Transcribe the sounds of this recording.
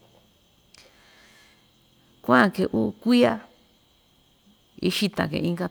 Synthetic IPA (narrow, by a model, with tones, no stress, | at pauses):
kʷã˦˨ke˨ʔu˦˧kʷi˦a˦ | ḭ˦ʃi˦t̪ã̰˨kḛ̃˨ʔĩ˦ŋɡa˧